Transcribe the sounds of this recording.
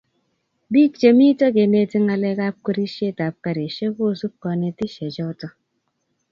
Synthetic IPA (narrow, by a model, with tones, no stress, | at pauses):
bi˦t͡ʃe˨mi˦to˦ke˨ne˨ti˦ŋa˨le˦ka˦p̚ke˦ɾi˦ʃe˦˨ta˨p̚ka˨ɾe˨ʃe˦ko˦˨su˦p̚kɔ˨ne˨ti˦ʃe˨d͡ʒɔ˦tɔ˦